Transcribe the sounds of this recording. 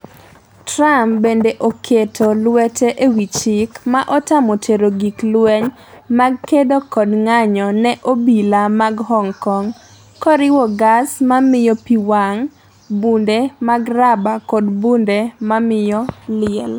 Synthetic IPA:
tɾampbendeʔokʰetʰolwɛtʰeʔewit͡ʃikmaʔɔtamotʰeɾoɡiklwɛɲ | maɡ̚kedokɔdŋaɲɔnɛʔobilamaɡhɔŋkɔŋ | kɔɾɪwɔɡasmamɪjɔpiwaŋ | bundemaɡrabakɔdbundemamɪjɔlɪɛl

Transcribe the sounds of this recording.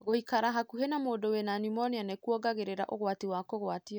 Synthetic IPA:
ɣohikaɾaɦakuɦenamoːdowenanimɔnianekuɔɡaɣeɾeɾaʔoɣwatiwakoɣwatia

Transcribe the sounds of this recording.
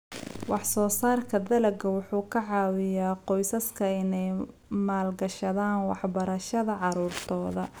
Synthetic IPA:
wɑħsɔːsaːrkʰɐd̪ɐlɐɡɐwʊħuːkʰɐʕɑːwɪjaːqɔjsɐskʰɐɪnɛj | maːlɡɐʃɐðaːnwɑħbɐɾɐʃɐðɐʕɑɾuːrt̪ʰɔːðɐ

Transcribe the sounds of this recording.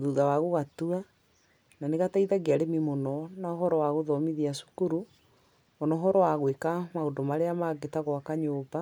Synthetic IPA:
oðuðawaɣoɣatua | naneɣataiðaɡeaɾemimonɔnaɔɦɔɾɔwaɣoðɔmiðiasu̥kuɾu | ɔnɔɦɔɾɔwaɣwekamaondɔmaɾeamaɡetaɣɔakaɲoːba

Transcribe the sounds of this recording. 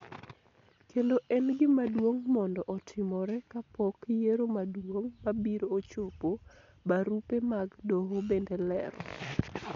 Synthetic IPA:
keloʔɛnɡɪmadwoŋmɔndɔʔɔtʰɪmɔɾɛkapɔkjeɾomadwoŋmabiɾoːt͡ʃopo | baɾupemaɡdoɦobendelɛ̰ɾɔ̰

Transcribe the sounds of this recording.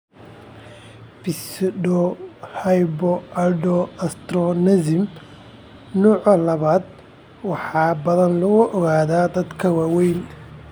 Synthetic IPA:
bɪsɖɔhɐjbɔʔɐɖɔɐst̪rɔnɛzɪm | nuːʕɐlɐβaːd̪ | wɑħɑːbɐðɐnlʊɣʊʔɔɣaːðaːd̪ɐd̪kʰɐwaːwɛjn

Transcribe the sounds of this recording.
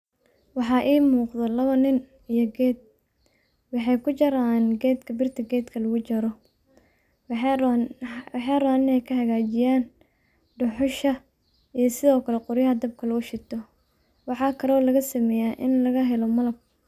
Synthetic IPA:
wɑħɑːʔiːmuːqd̪ɔlɐβɐnɪn | ijɔɡɛːd̪̚ | wɑħɑjkʰʊt͡ʃɐɾaːnɡɛːd̪kʰɐbɪrt̪ʰɐɡɛːd̪kʰɐlɐɣʊt͡ʃɐɾɔ | ħɛːraːnɪnɛjkʰɐhɐɣaːt͡ʃɪjaːn | ɖʊħʊʃɐ | ijɞsɪðɔːkʰɐlɛqʊɾjɐɦɐd̪ɐb̚kʰɐlɐʊʃɪt̪ʰɔ | wɑħɑːkʰɐɾɔːlɐɣɐsɐmɛjaːʔɪnlɐɣɐɦɛlɔmɐlɐb̚

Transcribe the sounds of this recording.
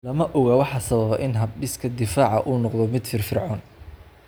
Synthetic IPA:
lɐmɐʔɔɣɐwɑħɑsɐβɐβɐʔɪnɦɐb̚ɗɪskʰɐd̪ɪfaːʕɑʔuːnɔqðɔmɪd̪fɪrfɪrʕɔːn

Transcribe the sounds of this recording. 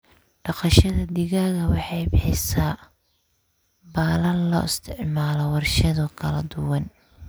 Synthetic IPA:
ɖ̥ɑqɑʃɐðɐd̪ɪɣaːɣɐwɑħɑjbɪħɪsaː | baːlɐnlɔ̰ːɪst̪ʰɪʕmaːlɔwɑrʃɐðɔkʰɐlɐd̪ʊwɐn

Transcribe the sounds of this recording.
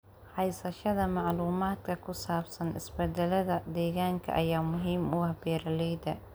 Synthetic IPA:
ħɑjsɐʃɐðɐmɑʕluːmaːd̪kʰɐkʰʊsaːbsɐnɪ̰sbɛd̪ɛlɐðɐd̪ɛːɣaːŋkʰɐ̰ʔɐjaːmʊɦiːmʊɐbɛːɾɐlɛjd̪ɐ

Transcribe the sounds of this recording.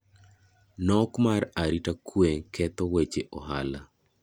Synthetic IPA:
nɔkmaraɾitakweŋkʰɛt̪ɔwet͡ʃeʔɔɦala

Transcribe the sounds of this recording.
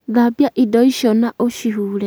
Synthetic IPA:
ðabjaʔidɔiʃɔnaʔoʃiɦule

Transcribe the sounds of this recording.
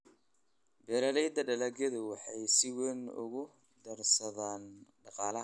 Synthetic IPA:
bɛːɾɐlɛjd̪ɐɖɐlɐɡɐðʊwɑħɑjsɪwɛnʊ̰ɣʊ | d̪ɐrsɐðaːnɖɑqɑːlɐ

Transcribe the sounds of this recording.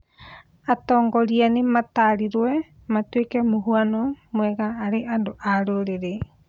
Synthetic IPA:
atoŋɡoɾianimataɾiɾoe | matuekemuɦuanomueɡaːɾeʔadoʔaɾoɾeɾe

